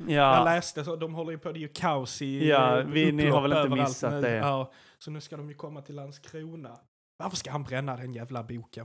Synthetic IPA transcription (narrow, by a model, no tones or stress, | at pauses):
jaːhanlɛːst̪əsɔd̪ɔmɦɔlːəɾjɵpʰɔd̪ɛjɵkʰaʊsɪjavɪnɪhaɾvɛlɪønːəvəmɾalt̪ːat̪nʉːd̪ɛaː | sɔnʉ̟ːskad̪ɔmjɵkʰɔmːat̪ʰɪlhanskʰɾuːna | vaɾfəʂkaɦanbɾɛnːad̪ɛnjæːvlabuːkə